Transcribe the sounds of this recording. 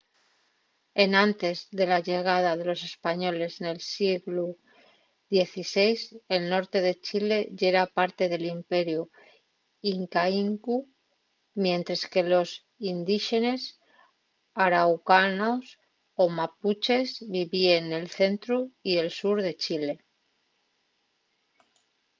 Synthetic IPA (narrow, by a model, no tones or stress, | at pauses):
e̞nãnt̪e̞zðe̞laʝe̞ɣ̞að̞að̞e̞lo̞se̞spaɲo̞le̞zne̞lsiɣlu | ðje̞θise̞jse̞lno̞ɾt̪e̞ðe̞t͡ʃile̞ʝe̞ɾapaɾt̪e̞ðe̞limpe̞ɾju | iŋkaiŋku | mjẽ̞nt̪ɾeske̞lo̞s | ind̪iʃe̞ne̞s | aɾawkanos | o̞maput͡ʃe̞zβiβiene̞lθe̞nt̪ɾuie̞lsuɾðe̞t͡ʃile̞